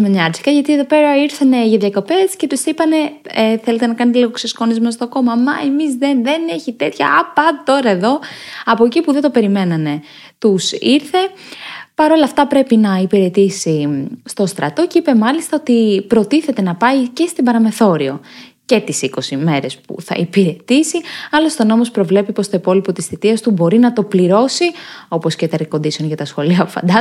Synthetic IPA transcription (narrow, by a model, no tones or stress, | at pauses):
meɲɐɾt͡si̥kɐʝɐt̪ieðo̞pe̞ɾɐiɾθɐne̞ʝɐðʝɐko̞pesce̞t̪usipɐne̞eθe̞let̪enɐkɐnet̪eliɣoksesko̞nizmɐst̪oko̞mɐmɐemizðenðene̞çit̪e̞t̪çɐ̰ɐpɐt̪o̞ɾɐeðo̞ɐpo̞cipuðed̪ope̞ɾime̞nɐne̞ | t̪usiɾθe̞ | pɐɾo̞lɐːft̪ɐpɾe̞pinɐipiɾe̞t̪isist̪o̞st̪ɾɐ̰t̪o̞cipe̞mɐlist̪ɐot̪ipɾo̞t̪iθe̞t̪e̞nɐpɐice̞st̪ibɐɾɐme̞θo̞ɾio̞ | ce̞t̪isiko̞sime̞ɾe̞spṵθɐ̰ipiɾe̞t̪isiɐlost̪o̞nomo̞spɾo̞vle̞pipo̞st̪o̞ipo̞lipo̞t̪isθit̪iɐst̪ubo̞ɾinɐt̪o̞pliɾo̞sio̞po̞scet̪ɐɾko̞nd̪isio̞nʝɐt̪ɐsxo̞liɐpu̥fɐ̰nd̪ɐ